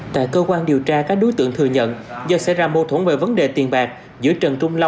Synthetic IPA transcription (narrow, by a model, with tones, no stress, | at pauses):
t̪a̰ː˧˨jkəː˧kwaː˧nɗi˨˩əwt͡ɕaː˧kaː˦˥k̚ɗo˨˦jt̪ɨ̰˧˨əŋt̪ʰɨ˨˩ɲə̰˧˨nzə˧˩sɛ˧˥zaː˧˩mo˧˩t̪ʰwnve˨˩və˨˦nɗe˨˩t̪i˨˩ənɓaː˨˩k̚ | zɨ̰˧˥əjt͡ɕə˨˩nt͡ɕʊ˧ŋ͡mlə˧wŋ͡m